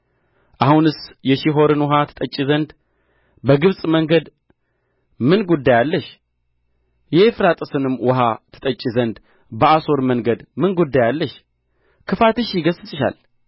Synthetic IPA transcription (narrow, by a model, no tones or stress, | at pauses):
ʔahunɨsjɛʃiɦo̞ɾɨnwɔɦat̪ʰɨ̥t̪ʼət͡ʃʼːizənd̪ | bəɡɨβsʼməŋɡəd̪ | mɨnɡud̪ːajalːəʃ | jɛefɾat̪ʼɨsɨnɨmːwɔɦat̪ʰɨ̥t̪ʼət͡ʃʼːizənd̪ | bəaso̞ɾməŋɡəd̪mɨnɡud̪ːajalːəʃ | kʰɨfat̪ɨʃjɪɡəsːɨsʼɨʃa̰l